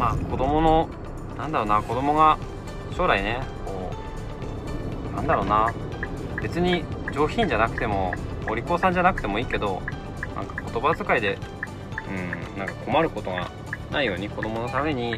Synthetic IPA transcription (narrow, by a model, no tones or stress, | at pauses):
maːko̞d̪o̞mo̞no̞ | nãnd̪aɾo̞ːnako̞d̪o̞mo̞ɡa | ɕo̞ːɾaine̞ko̞ː | nãnd̪aɾo̞ːna | be̞t͡sɨɲ̟id͡ʑo̞ːçĩɲ̟d͡ʑanakɯ̥t̪e̞mo̞̰oɾʲikoːsãɲ̟d͡ʑanakɯ̟t̪e̞mo̞iːke̞d̪o̞ | nʔã̰ŋkḁko̞t̪o̞bazɨkaid̪e̞ | ɯ̟̃nãŋkakʰo̞maɾɯ̟ko̞t̪o̞ɡa̰ | nʔaijo̞ːɲ̟iko̞d̪o̞mo̞no̞t̪ame̞ɲ̟i